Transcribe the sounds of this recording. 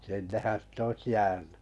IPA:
sinːehæn sit oĭs jæːny

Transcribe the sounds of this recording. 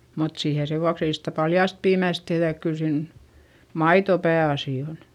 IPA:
mut siːhe seʋuɑks ei sitæ pɑljɑˑst piːmæˑs tehðæ ek kyl siːn mɑito pæːɑsiˑ on

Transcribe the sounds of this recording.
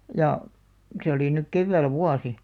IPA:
jɑ se oli nyk keʋːæˑl ʋuɑsi

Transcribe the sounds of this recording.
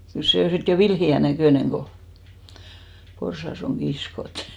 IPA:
kyl seˑ o sit jo ʋilhiæ nækøˑneŋ ɡ̊o porsɑs oŋ ɡ̊iskot

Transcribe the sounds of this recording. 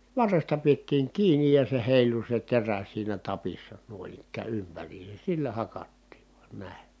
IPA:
ʋɑrːestɑ pietːiːŋ kiːnij jɑ se heˑilu se teræ siːnæ tɑpisːɑ nuoĭn ikːæː ympæriːses silːæ hɑkɑtːiːʋ ʋ̥u̥ɑ̥n̥ næˑe

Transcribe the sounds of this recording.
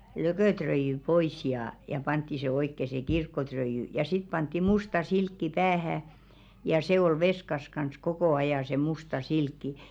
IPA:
løkøˑtrøijy pois jɑː jɑ pɑntːi se oikːe se kirkːotrøijy jɑ sit pɑntːi mustɑ silkːi pæːhæ jɑ se ol ʋeskɑs kɑns kokoˑ ɑjɑˑ se mustɑ silkːi

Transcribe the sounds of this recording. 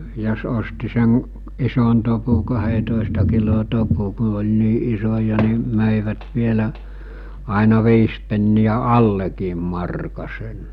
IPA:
jos osti sen ison topu kɑhetoˑestɑ kilo topu ku olʲ niː isojɑ ni møˑiʋæt ʋielæ ɑˑinɑ ʋiːs penːiæ ɑlːekiːm mɑrkɑ sen

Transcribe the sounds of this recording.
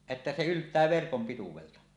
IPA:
etːæ se yltˑæː ʋerkom pituweltɑ

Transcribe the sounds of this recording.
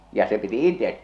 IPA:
jɑ se piti itet

